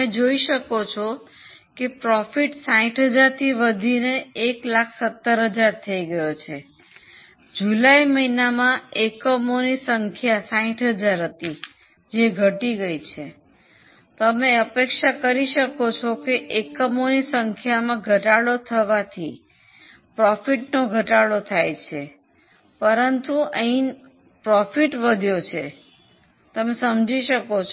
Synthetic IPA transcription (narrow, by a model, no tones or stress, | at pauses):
ed͡ʒoiʃəkot͡ʃʰo | kepɾɔfiʈsaĩʈʰɦəd͡ʒaɾt̪ʰiʋəd̪ʱineeklakʰsət̪ːəɾɦəd͡ʒaɾt̪ʰəiɡəjot͡ʃʰe | d͡ʒulaiməinamãekəmonisəŋkʰjasaĩʈʰɦəd͡ʒaɾɦət̪i | d͡ʒeɡʱəʈiɡəit͡ʃʰe | t̪əmeəpekʃakəɾiʃəkot͡ʃʰokeʔekəmonisəŋkʰjamãɡʱəʈaɽot̪ʰəʋat̪ʰi | pɾɔfiʈnoɡʱəʈaɭot̪ʰajt͡ʃʰe | pəɾənt̪uʔə̃ĩ | pɾɔfiʈʋəd̪ʱjot͡ʃʰe | t̪əmesəmd͡ʒiʃəkot͡ʃʰ